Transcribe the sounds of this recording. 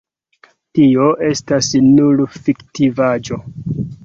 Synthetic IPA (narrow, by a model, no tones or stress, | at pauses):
tio̞ʔe̞stasnulfiktivad͡ʒo̞